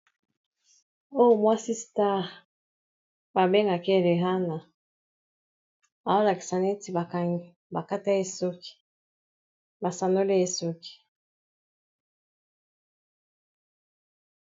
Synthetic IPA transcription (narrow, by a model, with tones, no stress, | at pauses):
o˦˨mwa˦si˦sta˦ | ba˨be˦ŋɡa˨ke˦˨le˨ɦa˦na˨ | a˨o˦la˨ki̥˨sa˨ne˦ti˨ba˨ka˨ŋ˨ | ba˨ka˦ta˦e˦˨so˦ki̥˨ | ba˨sa˨no˦le˦e˨so˦ki̥˨